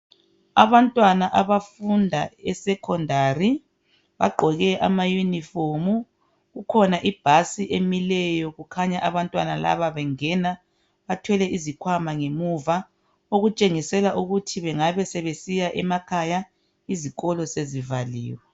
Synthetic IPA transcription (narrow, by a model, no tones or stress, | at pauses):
a̰βantʼwanaʔaβafundʱaɛsɛkʰɔndʱaːri | βa̰ɡ͡ǃʱɔɣɛʔa̰majunifomu | ɣukʰɔnaʔib̥ʱasiʔemilɛjɔɣukʰaɲaʔaβantʼwanala̰βaβɛŋɛna | βatʰwɛlɛʔizikʰwamaŋemuva | oɣut͡ʃʼeŋisɛlaʔuɣutʰiβɛŋaβɛsɛβesijaʔɛmakʰaja | iziɣɔlɔsezivalḭːwɛ